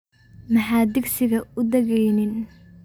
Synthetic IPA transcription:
mɐħaːd̪ɪɡsɪɣɐʊd̪ɛɣɛjnɪn

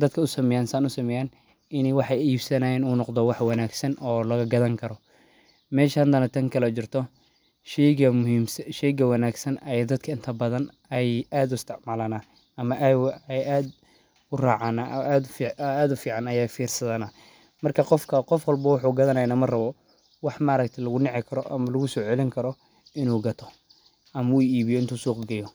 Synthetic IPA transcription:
d̪ɐd̪kʰɐʊsɐmɛjaːnsaːnʊsɐmɛjaːn | ɪnɛjwɑħɑjiːbsɐnajɪnuːnɔqd̪ɔwɑħwɑnaːɡsɐnɔːlɐɣɐɡɐðɐŋkʰɐɾɔ | mɛːʃaːnd̪ɐnɐt̪ʰɐŋkʰɐlɐt͡ʃɪrt̪ʰɔ | ʃɛjɡɐʊmʃɛjɡɐwɑnaːɡsɐnɐjɛd̪ɐd̪̥kʰɐɪnt̪ʰɐbɐðɐn | ɛjaːd̪ʊɪst̪ʰɪʕmaːlɐnɐ | ɐmɐʔɛjaːd̪ | ʊraːʕanaːd̪faːd̪ʊfiːʕɑnɐjaːfiːrsɐðɐnɐ | mɐrkʰɐqɔfkʰɐqɔfwɑlbɐwɑħuːɡɐðɐnɐjnɐmɐrɐβɔ | wɑħmaːɾɐk̚t̪ʰɐlɐɣʊnɛʕɪkʰɐɾɔʔɐ̰mɐlɐɣʊsɔːʕɛlɪŋkʰɐɾɔ | ɪnuːɡɐt̪ʰɔ | ʔɐmɐuːiːβɪjɔɪnt̪uːsuːqɡɐjɔ

